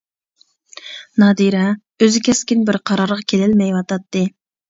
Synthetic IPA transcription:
nɑd̪iɾɛ | øzɪkʲʰɛskʲinbɪɾqʰɑɾɑɾʁɑkʲʰelɪlmɛjwɑt̪ɑt̪ːɨ

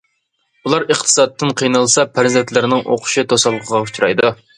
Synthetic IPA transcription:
ulˠɑɾəχt̪ʰɨ̥sɑt̪ʰːɨnqʰijnɑlˠsɑpʰæɾzɛnt̪ʰlɪɾnɪŋʔo̰qʰʊ̥ʃɪt̪ʰosɑlˠːqʰəʁɑu̥t͡ʃʰuɾɑ̰jd̪u

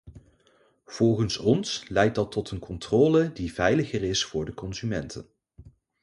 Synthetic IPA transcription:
v̥ɔlˠχənsɔnslɛjt̚dɑtʰːɔtənkʰɔntrɔːlədivɛjləχərɪsfʊːɹdəkɔnzymɛntʰə̰n

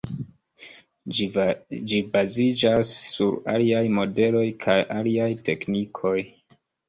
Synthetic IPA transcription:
d͡ʒibazid͡ʒasːuɾa̰liajmo̞de̞lo̞jkʰajʔaliajte̞knikʰo̞j

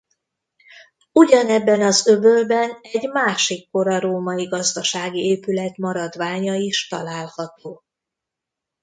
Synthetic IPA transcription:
uɟɒnɛbːɛnɒzøbølbɛnɛɟmaːʃikːo̞ɾɒɾoːmɒiɡɒzd̪ɒʃaːɡieːpylɛt̪mɒɾɒd̪ʋaːɲɒiʃt̪ɒlaːlhɒt̪oː

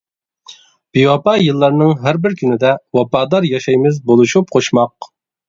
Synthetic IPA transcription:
b̥iwɑpɑjɨlˠːɑɾnɨŋɦæɾbɪɾkʲʰynɪd̪ɛwɑpɑːd̪ɑɾjɑʃɑjmɪzbolˠuʃup̚qʰoʃmɑq̚

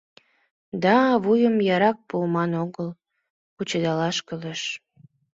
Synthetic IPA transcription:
d̪ɑβujəmjɑɾɑk̚pulmɑnoɣəl | put͡ɕəd̪ɑlɑʃkəleʃ

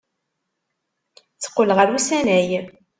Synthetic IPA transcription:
t͡sːə̥qːələʁəɾusænæj

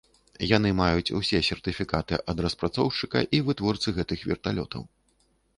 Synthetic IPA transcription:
janɨmajut͡sʲṵsʲɛsʲɛrt̪ɨfʲikat̪ɨʔɐd̪ɾɐspɾat̪sɔwt͡ʂɨkɐ̰ʔivɨt̪vɔrt̪sɨɣɛt̪ɨxvʲɛ̰rt̪alʲɔ̰t̪ʰɐ̰w

